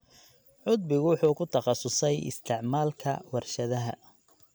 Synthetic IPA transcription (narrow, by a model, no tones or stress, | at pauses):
ʕʊd̪̚bɪɣʊwħuːkʰʊt̪ʰɐχɑsʊsɛjɪ̰st̪ʰɪʕmaːlkʰɐ̰wɑrʃɐðɐɦɐ